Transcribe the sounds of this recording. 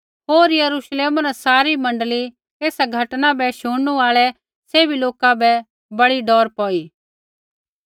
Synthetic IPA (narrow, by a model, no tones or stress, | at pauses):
ɦoːɾjɐɾuʃleːmanasaːɾimɐ̃ɳɖəli | eːsaɡʱɐʈnãbɛʃuːɽnuaːɭɛ | seːbiloːkabɛ | bɐɽiɖɔːɾpɔːiː